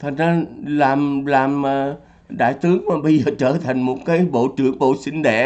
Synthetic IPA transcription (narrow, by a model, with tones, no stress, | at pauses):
t̪ʰa˨˩ŋ̟zaː˧laː˨˩mlaː˨˩məː˨˩ | ɗa̰ː˧˨jt̪ɨ˨˦əŋmaː˨˩ɓə˧jzəː˨˩t͡ɕəː˧˩t̪ʰa˨˩jŋ̟mo˨˩t̚kaː˨˦jɓo̰˧˨t͡ɕɨ̰˧˩əŋɓo̰˧˨sï˧ŋ̟ɗɛ̰˧˨